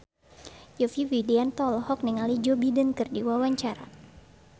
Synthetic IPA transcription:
jufiwideant̪ɔlhɔk̚niŋalid͡ʒobidənkɨrdiwawaɲt͡ʃaɾa̰

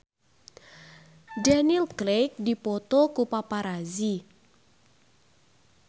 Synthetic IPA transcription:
danilklejk̚dipɔt̪ɔkupapaɾazi

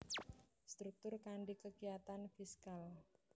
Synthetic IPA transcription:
st̪ɾuk̚t̪ʊrkaɳɖikəɡijat̪anfiskal

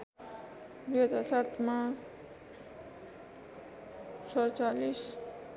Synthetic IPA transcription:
biɦʌt̪asat̪ma | sʌɾt͡salis

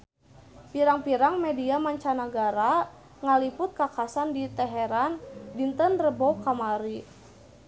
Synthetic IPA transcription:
piɾaŋpiɾaŋmɛdiamaɲt͡ʃanaɡaɾa | ŋalipʊt̪̚kakasandit̪ɛɦɛɾandint̪ənrəbɔkamaɾi

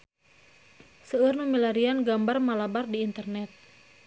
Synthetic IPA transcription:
səːrnumilaɾianɡambarmalabardiːnt̪ərnɛt̪̚

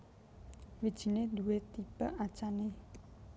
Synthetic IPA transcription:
wid̥ʒ̥i̤ned̪uwet̪ib̥aʔat͡ʃane

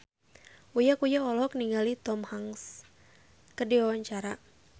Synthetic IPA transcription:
ujakujaɔlɔk̚niŋɡalit̪ɔmhaŋs | kərdiwawaɲt͡ʃaɾa

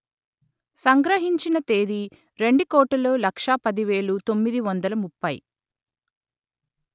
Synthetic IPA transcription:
sɐŋɡɾɐɦiɲt͡ʃinɐt̪e̞ːd̪i | ɾe̞ɳɖukɔːʈːɐlo̞ːlɐkʂɐpɐd̪iʋe̞ːɭut̪o̞mːid̪iʋɐnd̪ɐlɐmupːɐj̰

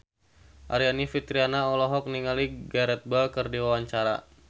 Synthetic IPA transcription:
ʔa̰ɾianifit̪ɾianaɔlɔɦɔk̚niŋaliɡaɾɛt̪̚balkərdiwawaɲt͡ʃaɾa̰

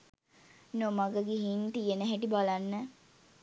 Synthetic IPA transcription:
nomaɡəɡiɦiːnt̪ijənəɦæʈibalanːə

